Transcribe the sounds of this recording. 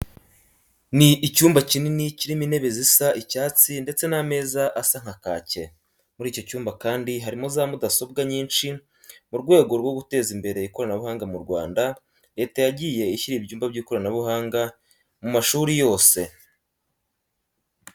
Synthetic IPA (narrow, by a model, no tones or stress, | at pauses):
niʔicuːmbacininiciɾimine̞βe̞zisaʔicaːt͡sinde̞t͡se̞name̞ːzaʔasaŋ̥aka̰ːce̞ | muɾiːco̞cuːmbakaːndiɦaɾimozaːmudaso̞b̚ɡaɲiːnʃi | muɾɡwe̞ːɡo̞ɾɡwo̞ɡute̞ːzimbe̞ɾe̞iko̞ɾanaβuhaːŋɡamuɾɡwa̰ːnda | ɾe̞ːtajaɟiːje̞içiɾibjuːmbabɟiːko̞ɾanaβuɦaːŋɡa | mumaʃuːɾijo̞ːse̞